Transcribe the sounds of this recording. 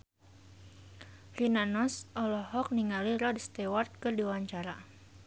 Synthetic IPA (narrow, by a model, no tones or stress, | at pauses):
rinanɔsʔɔlɔɦɔk̚niŋaliɾɔdst̪ɛwart̪̚kɨrdiwaɲt͡ʃaɾa